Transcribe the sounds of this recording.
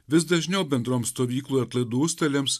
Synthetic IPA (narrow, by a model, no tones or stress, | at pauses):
ʋʲɪsd̪ɐʒʲnʲɛʊbʲɛnd̪ɾoːmst̪oːʋʲiːklˠuːɾɐt̪lˠɐɪd̪uːsʲt̪ʲɛlʲeːms